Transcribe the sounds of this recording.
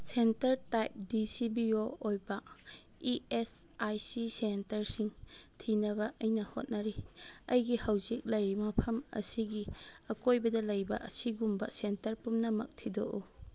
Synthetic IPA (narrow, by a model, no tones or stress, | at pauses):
sentɐɾtajp̚disibioojbɐ | iesajsisentɐɾsiŋtʰinɐbɐʔɐjnɐho̰t̚nɐɾiɐ̰jɡihawzik̚lɐjɾimɐpʰɐmɐ̰siɡiɐkojbɐdɐlɐjbɐ̰ʔɐsiɡumbɐ̰sentɐɾpumnɐmɐ̰k̚tʰido̰ʔu